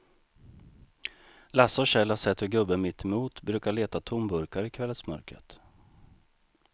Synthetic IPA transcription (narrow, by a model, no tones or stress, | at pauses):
lasːɔɕɛlːasɛt̪hɵɾɡɵbːəmɪt̪ʰːɛmuːt̪bɾʉ̟ːkaɭeːt̪at̪ʰʊmbɵɾkaɾɪkʰvɛlːət̪smœ̰ɾkɾə̰t̪